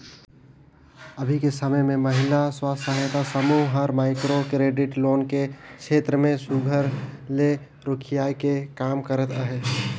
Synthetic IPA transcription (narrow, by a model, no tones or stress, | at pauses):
əbʱikesəməjmẽməɦɪlaswaːsaɦjt̪asəmuɦɦəɾmaːɪkɾokɾeːɖɪʈloːnkekt͡ʃʃʰeːt̪ɾəmẽsuɡʱəɾle | ɾʊkʰɪjaːjkekaːmkəɾət̪əɦe